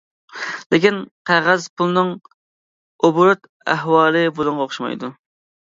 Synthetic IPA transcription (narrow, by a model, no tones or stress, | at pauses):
lɪkʲinqʰæʁæzpʰulˠnɨŋ | obuɾʊt̪ | æ̰ɦwɑːlˠɨbolˠuɴʁɑoχʃmɑ̰jd̪u